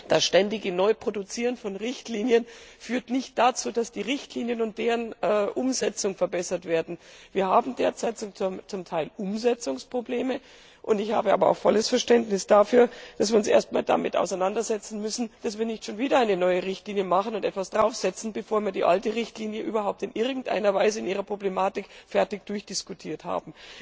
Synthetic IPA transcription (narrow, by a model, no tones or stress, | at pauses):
d̥asʃtɛndɪɡənɔʏpʁ̥odʊt͡siːʁənfɔnʁɪçtliːnjənfyːɐtnɪçt̚d̥at͡suːd̥asd̥iːʁɪçtliːnjənʊnt̚d̥eːʁənɛʔʊmzɛt͡sʊŋfɛɐbɛsɐtv̥eːɐdn̩viːɐhaːbm̩deːɐt͡sɛt͡sʊŋt͡sʊmtʰaɪlʔʊmzɛt͡sʊŋspʁ̥obleːmə | ʔʊntɪçha̰ːbəʔaːbɐa̰ʊxfɔləsfɛɐʃtɛntnɪsd̥afyːɐd̥as̬viːɐʊnsʔḛːɐst̚ma̰ːlda̰mɪtʔa̰ʊsaɪnandɐzɛt͡sn̩mʏsn̩d̥asv̥iːɐnɪçtʃoːnviːdɐaɪnənɔʏəʁɪçtliːnjəmaχənʊntʔɛtv̥asd̥ʁaʊfz̥ɛt͡sn̩bəfoːɐviːɐdiːʔa̰ltəʁɪçtliːnjəʔyːbɐɦaʊp̚tɪnʔɪɐɡŋ̩tʔa̰ɪnɐvaɪzəɪnʔiːʁɐpʁ̥oblemaːtɪkfɛɐtɪk̚d̥ʊɐçd̥ɪskutʰiːɐtha̰ːbm̩